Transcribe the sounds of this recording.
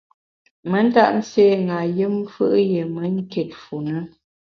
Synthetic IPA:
mə˦n̩˦ta̰˦ʔn̩˦seː˦˨ŋa˨jɨ˦m˦fɨ̰˦ʔje˨mə˦ŋ̩˦ke˨t̚fu˨nə˦

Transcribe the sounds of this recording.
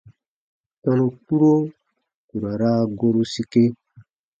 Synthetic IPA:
tã˦no˦tu˦ɾo˦ | ku˨ɾa˨ɾa˦ɡo˦ɾu˦si˦ke˦

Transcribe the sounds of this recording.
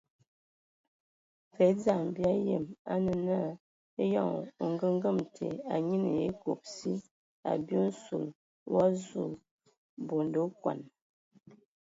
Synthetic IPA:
fe˨˦d͡za˦˨mbja˦je˨ma̰˦nə˨na˦˨ | e˦jɔ˦˨ŋ˨o˨ŋɡə˦ŋ˦ɡə˦˨mtʰḛ˨a˨ɲi˦nə̰˨e˦ko˨p̚si˦ | a̰˨bjo˦n̩˦sṵ˨l | wa˦zu˦˨ | bo˨ndo˨˦kwa̰˨n

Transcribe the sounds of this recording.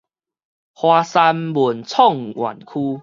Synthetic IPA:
hwaː˧sa˧mbu˨˩nt͡sʰɔ˥˨ŋwa̰˨˩nkʰu˦

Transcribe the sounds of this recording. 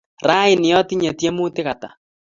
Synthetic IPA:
ɾa˦i˨nɪ˨jɔ˦ti˦ɲɛ˨tɛ˦mu˦tɪ˦ɣa˨ta̰˨

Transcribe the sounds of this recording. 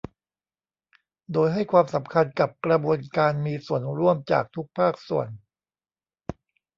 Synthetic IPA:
doː˧jɦa˥˩jkʰwaː˧msa˩˦mkʰa˧nka˨˩p̚kɾa˧bu˧ənkaː˧nmiː˧su˨˩ənɾu˥˩əmt͡ɕa̰ː˨˩k̚t̪ʰu˦˥k̚pʰaː˥˩k̚sṵ˨˩ən

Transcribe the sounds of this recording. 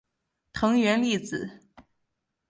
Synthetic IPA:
t̪ʰɤ˧˥ŋɥɛ˧˥nli˥˩t͡sɹ̩˨˩˦

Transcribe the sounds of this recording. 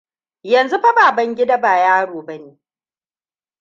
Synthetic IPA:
jɐ˨nzu˦ɸa˦baː˨bɐ˦ŋɡʲɪ˦da˦baː˨jaː˦ɽoː˨bɐ˦neː˨

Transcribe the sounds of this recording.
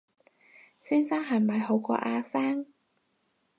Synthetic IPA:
siː˥nsaː˥ŋɦɐ˨˩mɐ˨˧jɦo˨˥wkɔ̰ː˧ʔaː˧saː˥ŋ

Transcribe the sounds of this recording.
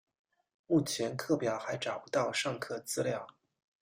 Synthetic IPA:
mu˥˩t͡ɕʰjɛ˧˥nkʰɤ˥˩pjɑ˨˩ʊxa˧˥ɪʈ͡ʂɑ˨˩ʊpu˧˥t̪ɑ˥˧ʊʂɑ˥˧ŋkʰɤ˥˩t͡sɹ̩˥ljɑ˥˩ʊ

